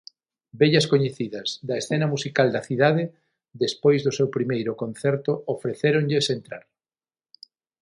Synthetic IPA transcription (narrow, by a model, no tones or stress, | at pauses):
beʎɐskoɲeθiðɐzðɐesθenɐmusikald̪ɐθiðaðe | ðespojzðʊsewpɾimejɾʊkon̟θɛɾt̪ʊofɾeθeɾoŋʎɪsent̪ɾa̰ɾ